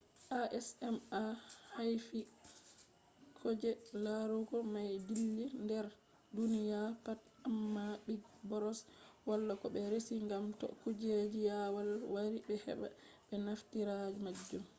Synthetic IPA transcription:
ʔaʔɛsɛmahajfi | kʰɔd͡ʒɛlaɾuɡɔmajdilːindɛɾ | dunijapat | amːabiɡbɔɾɔswalːakɔɓɛɾesiŋɡamtɔ̰kud͡ʒed͡ʒijawalwaɾibɛhɛ̰ɓa̰ | ɓɛnaftiɾad͡ʒimad͡ʒːum

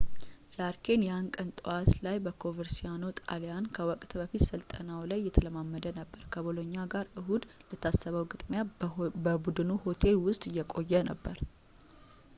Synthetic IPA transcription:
d͡ʒaɾkʰe̞njankʼənt̪ʼɨwat̪lajbəkʰo̞vəɾsijanot̪ʼa̰lejankʰəwɔkʼt̪bəfit̪sɨlt̪ʼənawlajːɛt̪ʰələmamːəd̪ənəbːəɾkʰəbɨloɲːaɡaɾʔɨɦud̪lət̪ʰːasːəβəwɡɨt̪ʼmjabəbud̪ɨnuho̞t̪ʰe̞lwʊst̪ʼɨjːɛkʼo̞jːɛnəbːəɾ

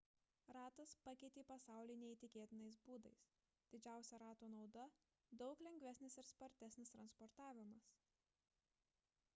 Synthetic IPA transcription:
ɾɑːt̪ɐspɑkʲɛɪt̪ʲeːpɐsɑˑʊlʲɪːnʲɛiːt̪ʲɪkʲeːt̪ʲɪnɐɪsbuːd̪ɐɪs | d̪ʲɪd͡ʒʲæˑʊsʲɛɾɑːt̪oːnɒʊd̪ɐ | d̪ɒʊklʲɛŋʲɡʲʋʲæsʲnʲɪsɪɾspɐɾʲt̪ʲæsʲnʲɪst̪ɾɐnspɔɾt̪ɑːʋʲɪmɐs

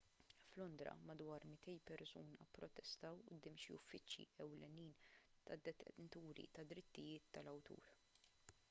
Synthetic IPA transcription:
flɔnd̪ɾɐ̰mɐd̪wɐːɾmɪt̪ɛjpɛɾsuːnɐpːɾɔt̪ɛst̪ɐwʊd̪ːɪːmʃiʊfːɪt͡ʃːjḭɛwlɛniːnt̪ɐd̪ːɛɛnt̪uːɾḭt̪ɐd̪ːɾɪt̪ːɪjɪːt̪ːɐlɐwt̪ṵːɾ

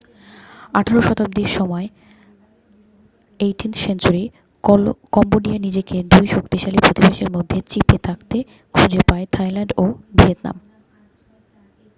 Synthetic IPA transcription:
aʈʰeɾoʃɔt̪ab̚d̪iʃɔmɔe | eʈinsent͡ɕoɾi | kɔmboɖianid͡ʑeked̪ujʃokt̪iʃalipɾot̪ibaʃeɾmod̪ʱːet͡ɕipʰet̪ʰakt̪e | kʰud͡ʑepaet̪ʰajlaɳɖobiet̪na̰m

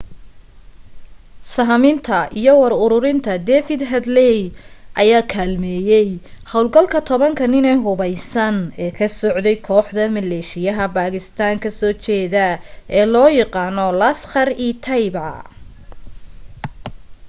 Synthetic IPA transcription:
sɐɦmɪnt̪ʰɐʔijɔwɑɾʊɾʊɾɪnt̪ʰɐd̪ɛːfɪd̪ɦɐd̪lɛjʔɐjaːkʰaːlmɛːjɛjhɐwlɡɐlkʰɐt̪ʰɔβɐŋkʰɐnɪnɛɦʊβɐjsɐnɛːkʰɐsɔʕd̪ɛjkʰɔːħd̪ɐmɐlɛːʃɪjɐɦɐbaːɣɪst̪ʰaːŋkʰɐsɔːt͡ʃɛːðɐʔɛːlɔːjɑqɑːnɔlɐsχɐriːt̪ʰɐjbʕɑ̰

